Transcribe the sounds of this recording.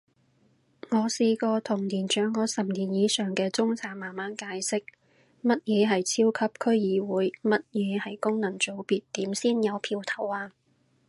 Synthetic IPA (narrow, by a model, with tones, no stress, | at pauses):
ŋɔː˨˧siː˧kɔː˧t̪ʰʊ˨˩ŋnliː˨˩nt͡ʃœː˨˥ŋkːɔː˨˧sɐ˨˩mniː˨˩njiː˨˥sœː˨ŋkɛː˧t͡sʊ˥ŋt͡sʰaː˨˥ŋmaː˨nmaː˨˥nkaː˨˧jsɪ˥k̚ | mɐ˥t̚jɛː˨˧ɦɐ˨jt͡sʰiː˥wkʰɐ˥p̚kʰɵ˥ɥjiː˨˧wuː˨˥jmɐ˥t̚jɛː˨˧hɐ˨jkʊ˥ŋnɐ˨˩ŋt͡so˨˧˥wpiː˨tt̪iː˨˥msiː˥njɐ˨˧wpʰiː˧wt̪ʰɐ˨˩waː˧